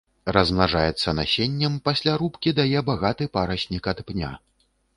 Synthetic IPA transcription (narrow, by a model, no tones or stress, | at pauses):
rɐzmnaʐajɛt̪sːɐnasʲenʲːɐmpasʲlʲaɾupkʲid̪ajɛbaɣat̪ɨpaɾɐɕʲnʲikɐt̪pnʲa̰